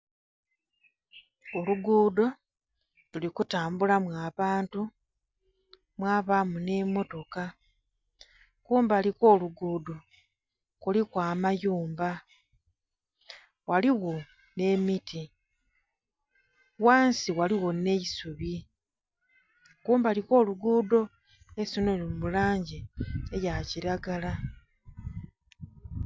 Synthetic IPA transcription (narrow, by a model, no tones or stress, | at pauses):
oluɡuːdo̞ | lulikutaːmbulamwaːβaːntu | mwaːβamune̞mo̞to̞ka | kuːmbaliko̞ːluɡuːdo | kulikwaːmajuːmba | waliɣo̞ | ne̞miti | waːnsiwaliwo̞ne̞isuβi | kuːmbaːliko̞ːluɡuːdo̞ | esunolimulaːɲɟiejaciɾaɡala